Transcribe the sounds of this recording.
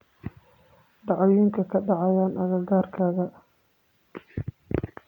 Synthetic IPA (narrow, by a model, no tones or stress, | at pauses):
ɖɑʕɔjɪŋkʰɐkʰɐɖɑʕɑjaːnʔɐɣɐɡaːrkʰaːɣɐ